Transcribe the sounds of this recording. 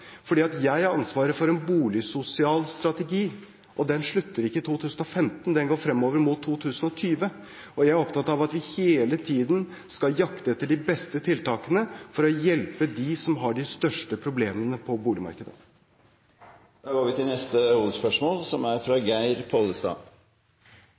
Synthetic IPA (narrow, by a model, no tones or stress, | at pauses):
fɔɖiːɑt̪jæɪæɾɑnsʋɑːɾəfɔɾɛnbuːlɪsʊsɪɑːlst̪ɾɑt̪ɛɡiː | ʔɔd̪ɛnʂɭʉt̪ːəɾɪkːət̪ʰuːt̪ʰʉːsən̩ɔfɛmt̪nd̪ɛnɡoːɾfɾɛmːoːʋəɾmʊt̪ʰːuːt̪ʰʉːsən̩ɔt̪ʰyːʋə | ɔjæɪæɾɔpt̪ʰɑt̪ːɑʋɑt̪ʋɪheːlət̪ʰiːd̪n | skɑljɑkt̪əɛt̪ːəɖɪbɛst̪ət̪ʰɪlt̪ɑːkənəfɔɾɔjɛlpəd̪ɪsɔmɦɑɖɪst̪œʂʈəpʰɾʊbleːmənəpʰɔbuːlɪmɑ̰ɾkəd̪ə̰ | d̪̥ɑːɡoːɾʋɪt̪ʰɪlnɛst̪əuːʋəspœʂmoːlsɔmæɾfɾɑɡæɪɾpʰɔləst̪ɑ̰ː